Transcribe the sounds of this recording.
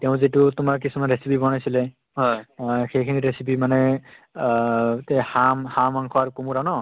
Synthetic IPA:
tɛʊ̃zitutʊmaɹk̬isumanɹesipibɔnajsilɛ | ɦɔxejkʰiniɾesipimanɛ | tɛhamhamaŋkʰɔaɹkumuɾanɔ

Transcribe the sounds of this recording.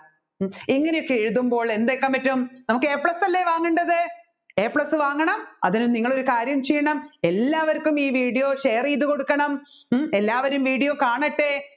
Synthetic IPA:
iŋːɐne̞jokːeeɻuðumbo̞ːɭe̞nd̪eːkːɐmpɐtːumnɐmukːɨeːpɭɐsɐlːeʋaːŋːuɳɖɐðɨ | eːpɭɐsɨʋaːŋːɐɳɐmɐ̰ðinuniŋːɐɭo̞ɾukaːɾjɐmt͡ɕejːɐɳɐme̞lːaːʋɐɾkːumiːʋiːɽijo̞ːʂeːriːðuko̞ɽukːɐɳɐme̞lːaːʋɐɾumʋiːɽijoːkaːɳɐʈːe

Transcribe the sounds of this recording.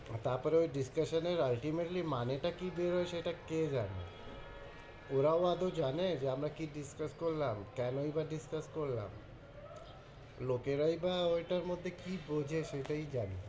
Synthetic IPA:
t̪aɾpɔɾeojɖiskaʃəneɾalʈimeʈlimaneʈakibeɾoeʃejʈaked͡ʒana̰ | oɾaoad̪od͡ʑaned͡ʑeamɾakiɖiskaskoɾlamkɛnoibaɖiskaskoɾla̰m | lokeɾaibaojʈaɾmod̪ʱːekibod͡ʑʱeʃejʈaid͡ʑanḛ

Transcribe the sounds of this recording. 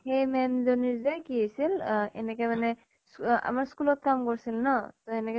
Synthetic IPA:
hejmɛmzoniɹzajkiɦojsilɛ̰nɛkɛmanɛ | sa̰maɹskulɔt̪̚kamkoɹsilnɔt̪ɔɛnɛk

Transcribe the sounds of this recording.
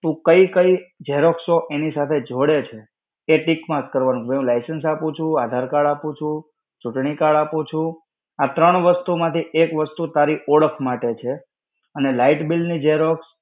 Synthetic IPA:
t̪ũkəikəid͡ʒɛɦɾoksoʔenisat̪ʰed͡ʒʱoɽet͡ʃʰe | eʈikmãkəɾʋanũeũlajsənsapũt͡ʃʰũad̪ʱaɾkaɭapũt͡ʃʰũ | t͡ʃuʈɳikaɭapũt͡ʃʰũ | at̪ɾəɳ̃ʋəst̪umãt̪ʰiʔekʋəst̪ut̪aɾiʔɔɭəkʰmaʈet͡ʃʰe | ənelaiʈbilnid͡ʒɛɦɾoks

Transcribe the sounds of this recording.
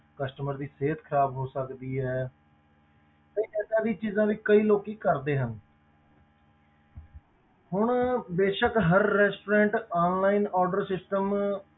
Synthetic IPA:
kəsʈəməɾd̪iːseːt̪kʰəɾaːbɦoːsəkd̪iːɦɛː | kəiːd͡ʒɛːt͡ʃãːd̪iːt͡ʃiːzãːʋiːkəiːloːkiːkəɾd̪eːɦən | hʊɳbeːʃəkɦəɾːɛːsʈoːɾɛ̃ːɳʈaːnlaːiːnɔːɾɖəɾsɪsʈəm

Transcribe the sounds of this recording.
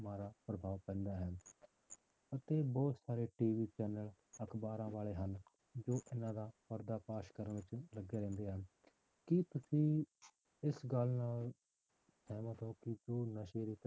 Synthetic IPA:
maːɾaːpɾəbʱaːʋpɛ̃ːnd̪aːɦɛː | ət̪eːbɔːt̪saːɾeːʈiːʋiːt͡ʃɛːnələkʰbaːɾãːʋaːleːɦən | d͡ʒoːʔɪnãːd̪aːpəɾd̪aːpaːʃkəɾənʋɪt͡ʃləɡeːɾɛ̃ːnd̪eːɦən | kɪt̪ʊsĩː | ɪsɡəlnaːl | sɛːmãːt̪õːkɪd͡ʒoːnəʃeːɾiːt̪

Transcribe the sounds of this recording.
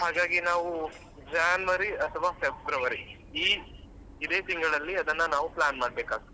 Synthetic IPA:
ɦaːɡaːɡinaːʋu | d͡ʒaːnʋɐɾiɐt̪ʰɐʋaːpebbɾɐʋɐɾi | iː | id̪eːt̪iŋɡɐɭɐlːiɐd̪ɐnːɐnaːʋuplaːnmaːɖ̚beːkaːɡit̪ː

